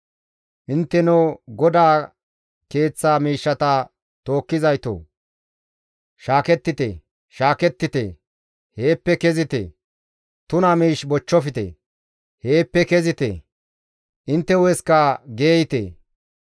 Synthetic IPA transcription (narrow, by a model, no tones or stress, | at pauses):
ʔɪnt̪ːɛnuɡɔd̪aː | ke̞ːt͡sːaːmiːʃːɐt̪ɐ | t̪o̞ːkːɪzɐjt̪o̰ː | ʃaːkɛt̪ːɪt̪ḛː | ʃaːkɛt̪ːɪt̪ḛ | he̞ːpːɛkɛzɪt̪ḛ | t̪ʊnɐmiːʃbɔt͡ʃːɔfɪt̪ḛ | heːpːɛkɛzɪt̪ḛ | ʔɪnt̪ːɛwɛskaɡe̞ːjɪt̪ḛ